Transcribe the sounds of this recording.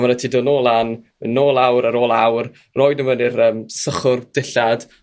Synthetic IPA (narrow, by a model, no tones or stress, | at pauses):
maɾətʰidonoːlˠan | ənoːlˠawɾəɾoːlˠawr | roːjdəvənɪrəːmsəχʊrd̥ɪɬad̥